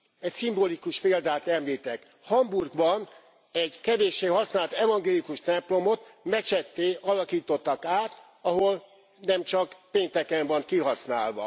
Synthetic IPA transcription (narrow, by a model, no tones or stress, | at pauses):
ɛcsimbolikuʃpeːld̪aːt̪ɛmliːt̪ɛk | hɒmburɡbɒn | ɛɟkɛveːʃːeːɦɒsnaːlt̪ɛvɒŋɡeːlikuʃt̪ɛmplo̞mot̪mɛt͡ʃɛt̪ːeːʔɒlɒkiːt̪o̞t̪ːɒkaːt̪ | ɒɦo̞l | nɛmt͡ʃɒkpeːnt̪ɛkɛɱvɒnkiɦɒsnaːlʋɒ̰